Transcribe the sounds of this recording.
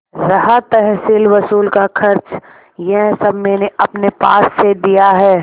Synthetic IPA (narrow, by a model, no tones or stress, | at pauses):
ɾɐɦat̪əɦsilʋɐsuːlkakʰɐɾt͡ʃ | jɛɦsɐbmeːneɐpnepa̰ːsːed̪ijaɦɛː